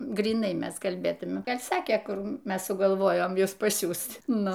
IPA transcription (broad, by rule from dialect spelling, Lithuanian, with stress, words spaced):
ɡrʲiːˈnɐɪ ˈmʲɛs kɐlʲˈbʲeːtʊmʲɛ ˈɡɐlʲ ˈsɑːkʲeː ˈkʊr ˈmʲɛs sʊɡɐlˠˈʋoːjoːm ˈjʊs pɐˈsʲuːst ˈnʊ